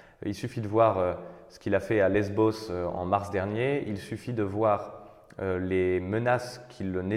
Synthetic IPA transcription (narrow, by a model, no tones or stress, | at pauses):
ilsyfid̪əvwaʁøsə̥kilafɛalɛzbosøɑ̰̃maʁsd̪ɛʁnjeilsyfid̪əvwaːʁ | ølemənaskʲʰiləne